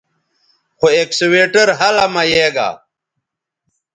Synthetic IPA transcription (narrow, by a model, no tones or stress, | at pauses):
xoeːksiweːʈɐɾɦɐlɐmɐjeːɡa̰ː